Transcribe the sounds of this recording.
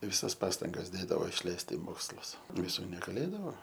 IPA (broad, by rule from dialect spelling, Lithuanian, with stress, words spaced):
ʋʲɪˈsɐs ˈpɑːstɐŋɡɐs ˈdʲeːdɐʋoː ɪʃʲˈlʲɛɪst ɪ ˈmoːkslˠʊs ʋʲɪˈsuː nʲɛɡɐˈlʲeːdɐʋoː